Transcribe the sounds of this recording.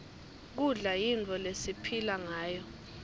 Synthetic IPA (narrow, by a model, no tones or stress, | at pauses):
k̬uɮajint͡fʰʼɔlesipʰilaŋaːjɔ